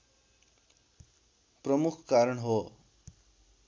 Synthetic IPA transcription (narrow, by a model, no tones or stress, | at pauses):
prʌmukʰkaɾʌɳɦo